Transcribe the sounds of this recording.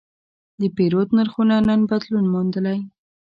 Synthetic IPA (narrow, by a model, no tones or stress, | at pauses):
d̪əpeɾot̪nəɾxunanənbad̪lunmond̪əlaj